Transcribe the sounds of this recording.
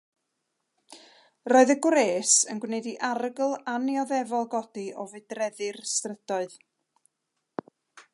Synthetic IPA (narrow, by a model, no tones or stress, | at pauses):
roːɨðəɡwreːsənɡwnɛɨdiʔarəɡlˠanjɔðɛvɔlˠɡɔd̥iʔɔvɨdrɛðɨrstrəd̥ɔɨð